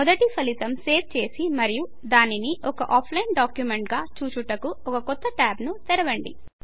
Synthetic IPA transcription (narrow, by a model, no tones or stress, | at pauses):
mɔd̪ɐʈipɐlit̪ɐmse̞ːb̚t͡ʃe̞ːsimɐɾiju | d̪aːniniʔɔkɐ̰ʔaːpʰlɐjnɖaːkjumeɳʈɡaːt͡ʃuːt͡ʃuʈɐkuɔkɐkɔt̪ːɐʈaːbnut̪ɛɾɐʋɐɳɖḭ